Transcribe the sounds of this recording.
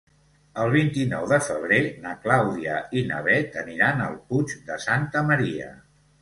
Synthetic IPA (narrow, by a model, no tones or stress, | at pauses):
əlˠβ̞int̪inɔwðəfəβ̞ɾenəklawðiəinə̰βɛt̪əniɾanəlˠpud͡ʒd̪əsant̪əməɾiə̰